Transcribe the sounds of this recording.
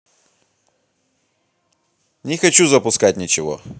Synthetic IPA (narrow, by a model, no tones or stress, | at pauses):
nʲɪxɐt͡ɕuzəpʊskat̚ʲnʲɪt͡ɕɪvo̰